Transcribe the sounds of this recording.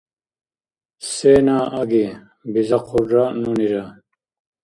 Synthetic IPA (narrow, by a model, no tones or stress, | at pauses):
seːnaːʔɐɡi | bizɐqʰuɖɾanuniɾa